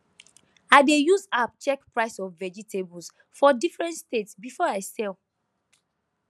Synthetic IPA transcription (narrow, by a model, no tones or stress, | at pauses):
aɪdejuzapt͡ʃɛkpɹaɪsɔfvɛd͡ʒitʰebɔls | fɔdifɹɛ̃ntstetsbifɔaɪsɛl